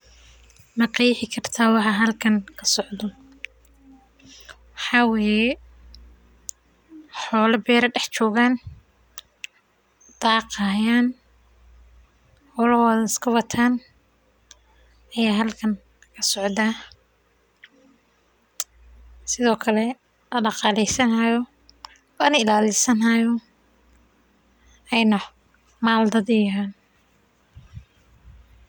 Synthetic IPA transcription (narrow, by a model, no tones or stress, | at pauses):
mɐqɑjɪħɪkʰɐrt̪ʰaːwɑħɑɦɐlkʰɐŋkʰɐ̥sɔʕd̪ɔ | wɑħɑːwɛːjɛ | ħɔːlɐbɛːɾɐɖɛħt͡ʃɔːɣaːn | d̪ɑːqɑjaːn | ħɔːlɐhɔːðɐɪskʰɐwɐt̪ʰaːn | ɐjaːɦɐlkʰɐŋ | kʰɐsɔʕd̪aː | sɪðɔːkʰɐlɛ | lɐɖɑqɑːlɛjsɐnɐjɔ | ɔnɪlaːlɪsɐnɐjɔ | ɛjnɐ | maːld̪ɐðɪjɦaːn